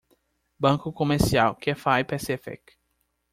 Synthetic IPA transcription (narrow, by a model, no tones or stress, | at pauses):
bɐ̃ŋkʊkomeɾsiawkɛfajpɛsefɛ̰k